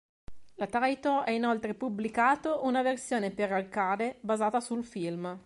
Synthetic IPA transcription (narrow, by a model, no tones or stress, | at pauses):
lat̪ajt̪oɛinolt̪ɾepubːlikaːt̪oʔunaversjoːneperalkaːd̪ebazaːt̪asulfilm